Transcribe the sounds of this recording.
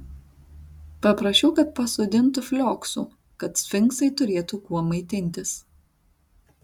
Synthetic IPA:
pɐpɾɐʃʲɛʊkɐt̪̚pɐsʊd̪ʲɪnt̪ʊfʲlʲoːksṵː | kɐt̪sʲfʲɪŋksɐɪt̪ʊɾʲeːt̪ukuɔmɐɪt̪ʲɪnʲt̪ʲɪs

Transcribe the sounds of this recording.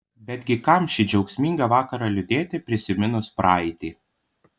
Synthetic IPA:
bʲɛd̪ʲɡʲɪkɐˑmʃʲɪd͡ʒʲɛʊksʲmʲiːˑŋɡɐʋɑːkɐɾɐlʲʊd̪ʲeːt̪ʲɪpʲɾʲɪsʲɪmʲɪnʊspɾɑːɛt̪ʲiː

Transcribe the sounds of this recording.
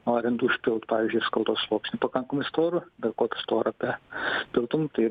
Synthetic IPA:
oɐɾʲɪnd̪ʊʃʲpʲɪlˠt̪pɑːʋʲizʲd͡ʒʲʊɪskɐlˠt̪oːslˠoːksʲnʲɪpɐkɐŋkɐmɐɪst̪oːɾʊbɐɾkoːt̪ʲʊ̥st̪oːɾɐpʲɛpʲɪlˠt̪ʊmt̪ɐɪ

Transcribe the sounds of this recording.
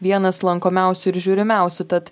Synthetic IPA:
ʋʲiɛnɐslˠɐŋkoːmʲæˑʊsʲʊɪɾʒʲuːɾʲɪmʲæˑʊsʲʊt̪ɐt̪

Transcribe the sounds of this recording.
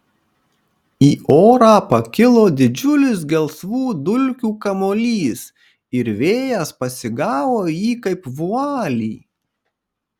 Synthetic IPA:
iːoːɾɑːpɐkʲɪlˠoːd̪ʲɪd͡ʒʲʊlʲɪs̬ɡʲɛlˠsʋuːd̪ʊlʲkʲuːkɐmoːlʲiːs | ɪɾʋʲeːjɛspɐsʲɪɡɑːʋoːjiːkɐɪpʋʊɑːlʲiː

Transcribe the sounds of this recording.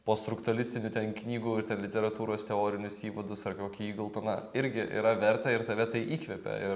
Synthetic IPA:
poːst̪ɾʊkt̪ʊɐlʲɪsʲt̪ʲɪnʲʊːt̪ʲɛnknʲiːɡuːɪɾt̪ʲɛnlʲɪt̪ʲɛɾɐt̪uːɾoːst̪ʲɛoːɾʲɪnʲʊsiːʋɐd̪ʊsɐrkoːkʲiiːɡʊlˠt̪ɐnɐɪɾʲɡʲɪʔḭːɾɐʋʲɛɾt̪ɐɪɾt̪ɐʋʲɛt̪ɐɪʔiːkʋʲɛpʲɛ̰ɪɾ

